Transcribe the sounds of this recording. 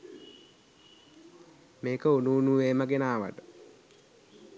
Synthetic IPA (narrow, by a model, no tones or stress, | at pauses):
meːkəunuːnuʋeːməɡenaːʋə̰ʈə